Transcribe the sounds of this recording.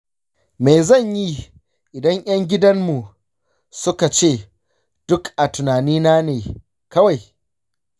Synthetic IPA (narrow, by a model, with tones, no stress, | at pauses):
me˨zɐ˦˨ɲji˦ | ʔɪ˨dɐ˦ŋj̰ʔɐ˦ŋɡʲɪ˦dɐ˦mmu˨ | sʊ˦ka˨t͡ʃeː˦˨ | d̥ʊ˦kʔa˨tʊ˨naː˨niː˦naː˦neː˨ | kɐ˦wa˨j